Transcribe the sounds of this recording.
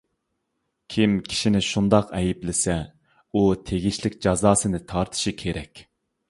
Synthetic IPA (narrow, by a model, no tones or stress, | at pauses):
kʲʰimkʲʰi̥ʃinɪʃund̪ɑqɛjiplɪsɛ | ut̪ʰeɡʲiʃlɪkʲd͡ʒɑzɑːsɨnɨt̪ʰɑɾt̪ʰɨ̥ʃikʲʰeɾɛkʲ